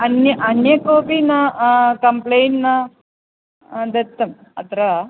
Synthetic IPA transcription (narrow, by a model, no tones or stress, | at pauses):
ɐnjɐʔɐnjɐkoːpinɐkɐmplejnʈnɐ | d̪ɐt̪ːɐm | ɐt̪ɐɾɐ